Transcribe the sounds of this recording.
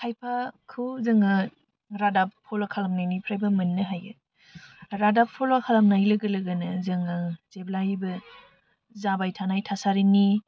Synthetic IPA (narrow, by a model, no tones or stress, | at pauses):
kʰajpʰakʰɯwzɯŋɯ | ɾadappʰɔlakʰalamnajnipʰɾajbamɯnːɯɦajɯ | ɾadap̚pʰɔlakʰalamnajlɯɡɯlɯɡɯnɯzɯŋɯzeblajbɯ | zabajtʰanajtʰasaɾini